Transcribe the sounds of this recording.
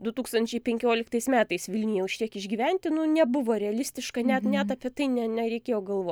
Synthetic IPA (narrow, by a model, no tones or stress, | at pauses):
d̪ʊt̪uːkst̪ɐnʲt͡ʃʲɛɪpʲɛŋʲkʲoːlʲɪkt̪ɐɪsmʲæːt̪ɐɪsʋʲɪlʲnʲɪjjɛʊʃʲktʲiɛkɪʒʲɡʲiːʋʲɛnʲt̪ʲɪnʊnʲɛbʊʋoːɾʲɛɐlʲɪsʲt̪ʲɪʃkɐnʲɛt̪nʲɛt̪ɐpʲiɛt̪ɐɪnʲɛnʲɛɾʲɛɪkʲeːjoːɡɐlˠʋoːtʲ